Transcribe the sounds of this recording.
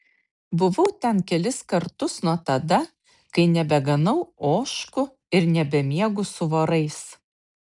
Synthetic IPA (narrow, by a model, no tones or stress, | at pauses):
bʊʋɐʊt̪ʲɛnkʲɛlʲɪskɐɾt̪ʊsnuɔt̪ɐd̪ɐ | kɐɪnʲɛbʲɛɡɐnɐʊoːʃkʊ | ɪɾnʲɛbʲɛmʲiɛɡʊsʊʋɐɾɐɪs